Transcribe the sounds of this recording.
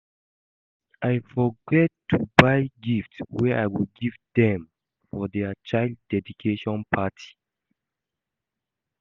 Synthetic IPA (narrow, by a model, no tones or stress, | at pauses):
ʔajfɔɡɛtːubaɪɡiftswɛʔajwilɡivdɛ̃m | fɔdɛat͡ʃaɪlddɛdikʰeʃɔ̃npʰatʰi̥